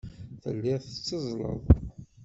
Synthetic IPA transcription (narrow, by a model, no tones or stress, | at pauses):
θə̰lːɪʁθət͡sːəzˤlə̰ðˤ